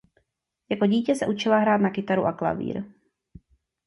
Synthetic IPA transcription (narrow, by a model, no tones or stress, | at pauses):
jako̞ɟiːcɛsɛʔut͡ʃɪlaɦɾaːt̪nakɪt̪aɾuʔakla̰vḭːɾ